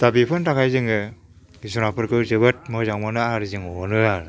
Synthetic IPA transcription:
tabipʰɯntakʰajzɯŋɯ | isunapʰɯɾkɯzɯbɯt̚mazaŋmanɯaaɾizɯŋɔonɯaɾ

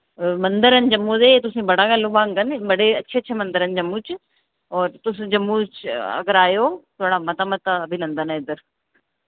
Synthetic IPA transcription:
mɐ̃nd̪əɾənɪ̆d͡ʑɐmːud̪et̪ʊsĩbɐɽaɡalːũbãːŋkɐnbɐɽeɐtːʃʰeɐtːʃʰemɐ̃nd̪əɾənɪ̆d͡ʑɐmːut͡ʃʊ | ɔːɾt̪ʊsd͡ʒɐmːut͡ʃɐ̰ɡəɾaːjoːt̪ʰoːɽamɐt̪amɐt̪aɐbʱilɐ̃nd̪ənaeːd̪əɾ

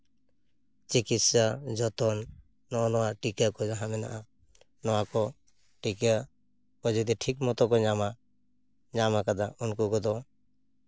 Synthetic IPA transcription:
t͡ʃikit̪sad͡ʒɔt̪ɔnː | ɔʔɔnɔwaʈikakɔd͡ʒaɦamɛna̰ʔa | nɔwakɔ | ʈika | kɔd͡ʒik̚d̪ɛʈʰik̚mɔt̪ɔkɔɲama | ɲamakad̪aunkukɔd̪ɔ

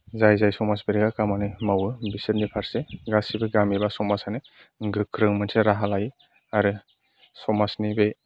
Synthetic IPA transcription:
zajzajsɔmasbeɾiɡakamanɯmawɯbisɯt̚nipʰaɾseɡasibeɡamibasɔmasanɯ | ɡɯkʰɾɯŋmanseɾaɦalaji | aɾɯ | sɔmasnibej

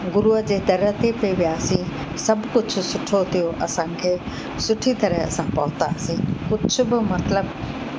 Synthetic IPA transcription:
ɡʊɾuəd͡ʑeːd̪ɐɾət̪epeːʋɪjaːsĩː | sɐbkʊt͡ʃʰʊsʊʈʰot̪ʰɪjoʔɐsãːkʰeː | sʊʈʰit̪ɐɾɛɐ̰sãːpɐːt̪asĩːkʊt͡ʃʰʊbɪmɐt̪ləb

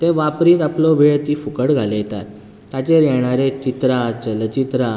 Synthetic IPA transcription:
t̪ẽʋapɾiːt̪aplɔʋeɭt̪iːfukəɽɡʱalejɛt̪a̰t̪ː | at͡ɕeɾjɛɳ̃aɾet͡ɕit̪ɾat͡ɕəlt͡ɕit̪ɾa

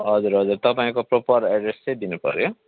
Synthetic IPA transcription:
ɦʌd͡zuɾɦʌd͡zurt̪ʌpaĩkopropʌɾeɖɾeslejd̪inupʌ̰ɾjo

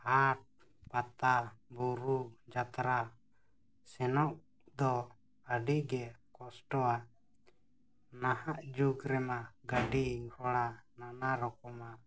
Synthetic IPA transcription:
at̚ | pat̪abuɾud͡ʒat̪ɾa | sɛnɔʔ̚ | d̪ɔ | aɖiɡɛkɔsʈɔa | nahaʔd͡ʒuɡɾɛmaɡaɖiŋhɔɽananaɾɔkɔma

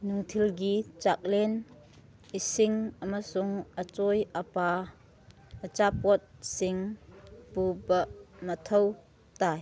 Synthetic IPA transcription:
nʊŋt̪ʰilɡit͡ʃak̚lɛn | isiŋamasʊŋɐt͡sɔjapa | ət͡ʃapɔt̪̚sɪŋpubaʔmɐt̪ʰɔw | t̪aj

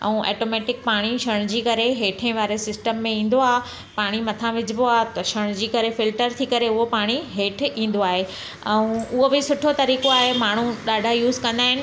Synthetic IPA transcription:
ɛ̰̃ũʔɛ̰ːʈomeːʈɪk̚paːɽ̃iʃɐɽ̃d͡ʑiːkɐɾeɦeːʈʰẽʋaːɾesɪsʈəmːẽĩːn̆d̪oaːɦe | paːɽ̃imɐt̪ʰãʋɪd͡ʑʱɪboaːt̪ɐʃɐɽ̃ʊd͡ʑiːkɐɾefɪlʈəɾt̪ʰikɐɾeʊɦopaːɽ̃iɦeːʈʰĩːn̆d̪oaːɦe | ɛ̃ũʊɦobɪsʊʈʰot̪ɐɾiːkoaːɦemaːɳ̤uɗaːɖʱajuːzkɐ̃nd̪aːɦɪ̃nɪ̆

